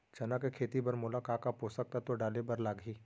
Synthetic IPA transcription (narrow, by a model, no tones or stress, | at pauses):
d͡ʒɐnakekʰeːt̪ibɐɾmʊlakaːkapoːsək̚t̪at̪oɖaːlebɐɾlaːɡʱiː